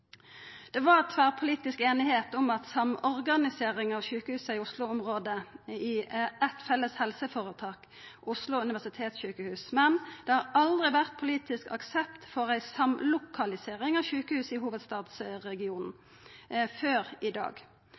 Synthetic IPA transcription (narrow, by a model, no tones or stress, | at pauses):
d̪̥ɛʋɑʁt̪ʰʋæːʁpʰʊliːt̪ɪskeːnɪheːt̪ʊmɑt̪sɑmɔʁɡɑnɪseːʁɪŋɑʋʃʉːkəhʉːsəɪʊslʊɔmʁoːd̪əɪɛt̪fɛlːəshɛlsəfoːʁət̪ʰɑːk | ʊslʊʉnɪʋæʁsɪt̪ʰeːt̪sɕʉːkəhʉːsmɛnd̪̥ɛhɑʁɑld̪ʁɪʋæʁt̪̚pʰʊliːt̪ɪskɑ̰ksɛpt̪fɔʁæɪsɑmlʊkʰɑlɪseːʁɪŋɑʋʃʉːkəhʉːsəɪɦuːʋəd̪st̪ɑːd̪sʁɛɡɪuːnn̩ | føːʁɪd̪ɑ̰ːɡ